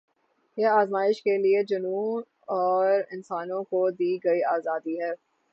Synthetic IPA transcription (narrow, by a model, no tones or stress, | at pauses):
jeaːzmaːɪʃkelied͡ʒʊnuː | ɔːɾɪnsaːnõkod̪iːɡɐiaːzaːd̪iɦɛː